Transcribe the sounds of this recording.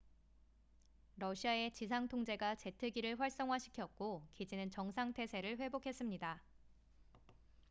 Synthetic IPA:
ɾʌɕʰiae̞t͡ɕis̬ʰaŋtʰoŋd͡ʑe̞ɡat͡ɕe̞tʰɯɡiɾɯɭɸwaɭs͈ʌŋɦwaɕʰi̥kʰjʌk̚k͈okid͡ʑinɯnt͡ɕʌŋsʰaŋtʰe̞sʰe̞ɾɯɭɸwe̞bokʰe̞s͈ɯmɲida

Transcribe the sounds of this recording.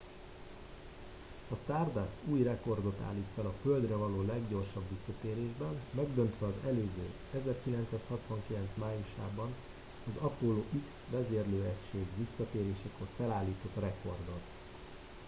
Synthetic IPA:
ɒst̪aːrd̪asuːjrɛko̞rd̪o̞t̪a̰ːlːiːt̪fɛlɒføld̪rɛvɒloːlɛɡɟo̞rʃɒbʋisːɒt̪eːɾeːʒbɛnmɛɡd̪ø̞nt̪ʋɛɒzɛløːzø̰ː | ɛzɛrkilɛnt̪saːshɒt̪ʋɒŋkilɛnt̪smaːjuʃa̰ːbɒn | ɒzɒpoːloːʔiksʋɛzeːrløːɛcʃeːɡʋisːɒt̪eːɾeːʃɛkorfɛlaːlːiːt̪o̞t̪rɛko̞rd̪o̞t̪

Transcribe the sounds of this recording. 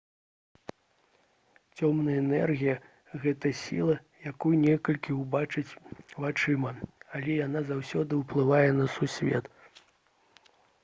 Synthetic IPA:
t͡sʲɔmnɐjɐɛnɛrɣʲijɐ | ɣɛt̪ɐsʲḭlˠɐ | jakujunʲɛkɐlʲkʲiubat͡ʂɨt͡sʲvat͡ʂɨmɐalʲɛjanazawsʲɔd̪ɨwplˠɨvajɛnɐsusʲvʲɛ̰t̪

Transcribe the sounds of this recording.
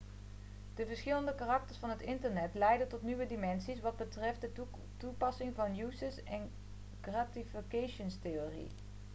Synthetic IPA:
d̥əvəɹsχɪləndəkarɑk̚təɹsfɑnɦətɪntəɹnɛtlɛjdəntɔtniʋədimɛnsisʋɑd̚bətrɛft̚də | tupɑsɪŋvɑnjusəsɛn | ɡratifikejʃənsteoːrḭ

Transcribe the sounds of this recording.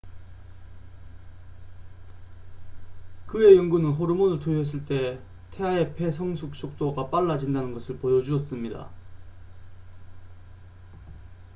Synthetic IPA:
kɯe̞jʌŋɡunɯnɦoɾumonɯɭtoɦes̬͈ɯɭt͈e̞ | tʰe̞ae̞pʰe̞sʰʌŋsʰuk̚ɕ͈ok̚t͈oɡap͈aɭːad͡ʑindanɯnɡʌsʰɯɭpojʌd͡ʑuʌs͈ɯmɲida̰

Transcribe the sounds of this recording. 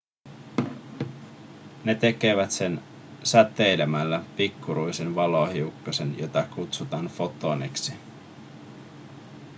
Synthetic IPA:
ne̞t̪e̞ke̞ʋæt̪se̞n | sæt̪ːejlemælːæpikːuɾujsenʋɑlohiukːɑse̞njot̪ɑkut̪sut̪ɑːnfo̞t̪ːoneksi

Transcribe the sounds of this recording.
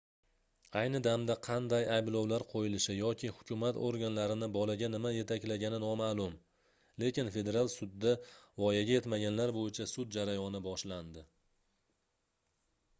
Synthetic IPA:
ajnɪd̪amd̪aqʰɑnd̪ajajblˠɒwlaɾqʰojɪlɪʃɪjɒkʲʰɪhʊkʲʰʊmat̪o̰ɾɡʲanlaɾɪnɪbɒlaɡʲanɪmaje̞t̪ʰakʲlaɡʲanɪnɒmalˠʊm | le̞kʲɪnfe̞d̪e̞ɾalˠsʊd̪ːavɒjaɡʲaje̞t̪maɡʲanlaɾbojɪt͡ʃʰasʊd̪̚d͡ʒaɾajɒnɪbɒʃland̪ɪ

